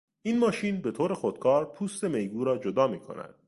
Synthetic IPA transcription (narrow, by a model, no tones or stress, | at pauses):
ʔiːnmɒːʃiːnbe̞t̪ʰoːɾe̞xod̪̥̚kʰɒːɾpʰuːst̪e̞me̞jɡuːɾɒːd͡ʒod̪ɒːmiːkʰo̰næ̰d̪̥̚